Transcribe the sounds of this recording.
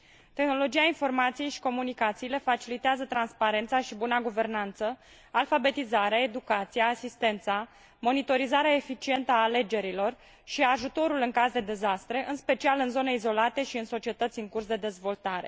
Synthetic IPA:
t̪e̞xno̞lo̞d͡ʒijainfo̞rmat̪sijejʃi̥ko̞munikat̪siːle̞fat͡ʃilit̪eazət̪ɾanspaɾe̞nt̪saʃibunaɡuve̞rnant̪sə | alfabe̞t̪izaɾeae̞d̪ukat̪sijaːsist̪e̞nt̪sa | mo̞nit̪o̞ɾizaɾeaefit͡ʃie̞nt̪əaːle̞d͡ʒe̞ɾilo̞r | ʃiaʒut̪o̞ɾulɨŋkazd̪e̞d̪e̞zast̪ɾe̞ʔɨnspe̞t͡ʃialɨnzo̞ne̞izo̞lat̪e̞ʃiɨnso̞t͡ʃiet̪ət̪sʲɨŋkursd̪e̞d̪e̞zvo̞lt̪aɾe̞̰

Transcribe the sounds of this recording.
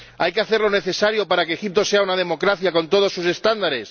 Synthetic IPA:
ajkeaθe̞ɾlo̞ne̞θe̞saɾjo̞paɾakeːxip̚t̪o̞se̞aunað̞e̞mo̞kɾaθjako̞nt̪o̞ð̞osːuse̞st̪and̪aɾe̞s

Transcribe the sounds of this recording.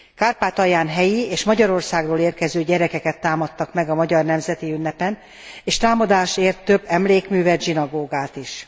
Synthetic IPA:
kaːrpaːt̪ɒjaːnɦɛjieːʃmɒɟɒɾo̞rsaːɡroːleːrkɛzøːɟɛɾɛkɛkɛt̪ːaːmɒt̪ːɒkmɛɡɒmɒɟɒrnɛmzɛt̪iynːɛpɛn | eːʃt̪aːmɒd̪aːʃeːrt̪ːø̞bːɛmleːkmyːvɛd̪ʒinɒɡoːɡaːt̪iʃ

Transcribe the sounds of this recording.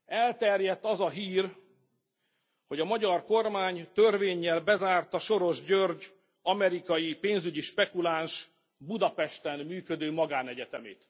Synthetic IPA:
ɛlt̪ɛrjɛt̪ːɒzɒɦiːr | ho̞ɟɒmɒɟɒrko̞rmaːɲt̪ørveːɲːɛlbɛzaːrt̪ɒʃo̞ɾo̞ʒɟørɟ | ɒmɛɾikɒjipeːnzyɟiʃpɛkulanʃ | bud̪ɒpɛʃt̪ɛnmyːkød̪øːmɒɡaːnɛɟɛt̪ɛmḛːt̪

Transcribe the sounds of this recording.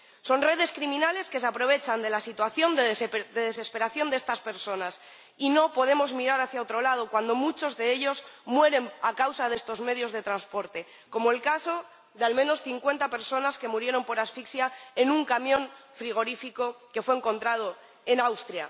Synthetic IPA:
so̞nre̞ðe̞skɾimĩnale̞ske̞s̬eapɾo̞β̞e̞t͡ʃand̪e̞lasit̪waθjo̞nd̪ed̪e̞ðe̞se̞speɾaθjo̞nd̪eest̪aspe̞ɾso̞nas | ino̞po̞ð̞e̞mo̞zmiɾaɾaθjaot̪ɾo̞lað̞o̞kwand̪o̞mut͡ʃo̞zðe̞e̞ʎo̞zmwe̞ɾe̞nakawsaðe̞st̪o̞zme̞ð̞jo̞zð̞e̞t̪ɾanspo̞ɾt̪e̞ | ko̞moelkaso̞ | ðealmẽ̞no̞sθiŋkwe̞nt̪ape̞ɾso̞naske̞muɾje̞ɾo̞mpo̞ɾasfiksjaenuŋkamjõ̞nfɾiɣ̞o̞ɾifiko̞ke̞fweeŋko̞nt̪ɾað̞o̞ | e̞nawst̪ɾja

